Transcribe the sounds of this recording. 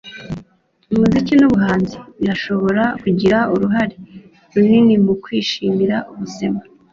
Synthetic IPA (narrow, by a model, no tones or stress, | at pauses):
imuzicinuβuɦaːnziiɾaʃo̞βo̞ɾakuɟiɾauɾuɦaɾe | ɾuninimukwiːʃiːmiɾaʔuβuse̞ma